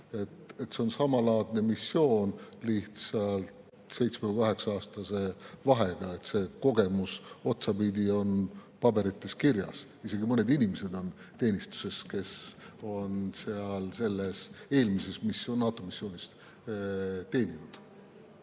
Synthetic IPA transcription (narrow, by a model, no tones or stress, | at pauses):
e̞t̪e̞t̪ːse̞o̞nsɑmɑlɑːd̪̥ne̞misːjo̞ːnliht̪sɑlt̪ | se̞jt̪smekuukɑɦe̞ksɑɑːst̪ɑse̞vɑɦe̞ɡ̥ɑe̞t̪se̞ko̞ɡe̞muso̞t̪sɑpid̪ʲio̞npɑbe̞ɾit̪ːe̞skirjɑ̰s | ise̞ɡimɤne̞d̪inʲimese̞d̪o̞n | t̪e̞ːnʲist̪u̥se̞ske̞so̞nseɑlse̞lːese̞ːlmise̞smisonːɑːt̪ˑo̞misːjo̞ːnʲist̪ | t̪e̞ːnʲinud̪̥